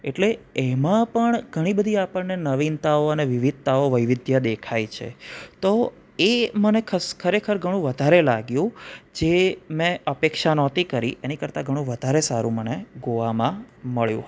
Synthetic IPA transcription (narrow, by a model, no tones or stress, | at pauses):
eʈleemãpəɳɡʱəɽ̃ibəd̪ʱiapəɳnenəʋint̪aoəneʋɪʋid̪̚t̪aoʋəjʋɪd̪ʱjəd̪ekʰajt͡ʃʰḛt̪o | emənekʰəskʰəɾekʰəɾɡʱəɽ̃ũʋəd̪ʱaɾelaɡjũd͡ʒemɛ̃əpekʃanɔt̪ikəɾḭʔenikəɾt̪aɡʱəɽ̃ũʋəd̪ʱaɾesaɾṵ̃məneɡoʋamã | məɭjṵ̃